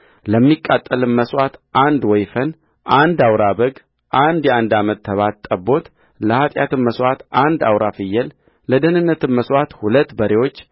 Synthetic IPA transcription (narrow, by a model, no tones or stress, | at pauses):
ləmːikʼːat̪ʼːəlɨnməswat̪ʔand̪wɔjfən | ʔand̪awɾabəɡ | ʔand̪jɛand̪amət̪ʰːəβat̪t̪ʼːəbo̞t̪ | ləhat̪ʼjat̪ɨmməswat̪ʔand̪awɾafɨjːəl | ləd̪ənɨnːət̪ʰɨmməswat̪hulət̪ːbəɾewo̞t͡ʃː